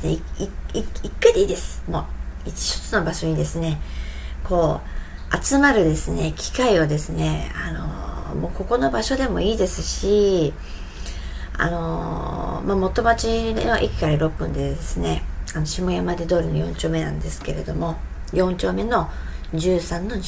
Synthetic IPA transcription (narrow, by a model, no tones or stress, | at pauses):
neiiiikːaid̪eiːd̪e̞sɨ̥mo̞̰ːii̥ɕo̥t͡sɨno̞baɕo̞ɲ̟id̪e̞sɨne̞ | kʰo̞ː | at͡sɨmaɾɯ̟d̪e̞sɨne̞kʲʰi̥kaiod̪e̞sɨne̞ano̞̰mo̞ːko̞ko̞no̞baɕo̞d̪e̞mo̞iːd̪e̞sɨɕi | a̰no̞ | mamo̞t̪o̞mat͡ɕinno̞ʔikʲi̥kaɾaɾo̞pːɯ̟̃nd̪e̞d̪e̞sɨne̞ano̞ɕimo̞jamad̪ed̪o̞ːɾʲinojõ̞ɲt͡ɕo̞ːme̞nã̰nd̪e̞sɨ̥ke̞ɾe̞d̪o̞mo̞ | jõ̞ɲt͡ɕo̞ːme̞no̞ | d͡ʑɨːsãnːo̞